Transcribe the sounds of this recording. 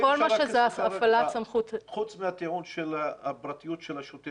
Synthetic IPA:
olmaʃezafalatsamχut̪χut͡smeat̪iʕunʃelabɾat̪ijutʃelaʃot̪e

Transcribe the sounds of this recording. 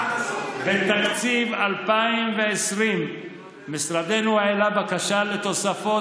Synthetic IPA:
bet̪akt͡sivalpaimveesʁimː | isʁad̪enuaelabakaʃalet̪o̞safo̞

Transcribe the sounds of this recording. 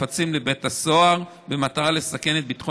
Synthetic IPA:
at͡simlebe̞thaso̞aʁ | bemat̪aʁale̞sake̞net̪̚bit̪χo

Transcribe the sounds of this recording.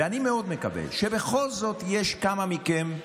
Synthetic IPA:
eanimeo̞d̪mekabḛlʃebexo̞lzo̞t̪jeʃkamamikem

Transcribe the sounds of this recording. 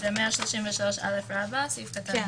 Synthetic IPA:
vemeaʃloʃimveʃalo̞ʃa̰lefɹabasifkat̪an

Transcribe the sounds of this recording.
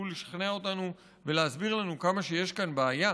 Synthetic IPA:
uleʃḁχneao̞t̪anu | ve̞leazbiʁlanukamaʃe̞je̞ʃkanbeːja

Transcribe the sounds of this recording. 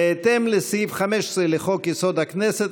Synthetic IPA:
eːt̪emlesifχameʃsʁeleχokjesod̪hakneset̪

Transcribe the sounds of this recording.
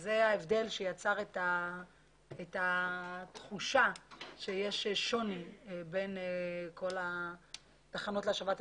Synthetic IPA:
zeaevde̞lʃejat͡saʁeta | etat̪χuʃaʃejeʃʃonibenkʰo̞la | t̪aχano̞tleaʃavat̪

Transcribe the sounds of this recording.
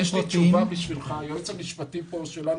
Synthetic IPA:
ɛʃlit͡ʃuvabiʃvilχajot͡samiʃpatipoʃelan

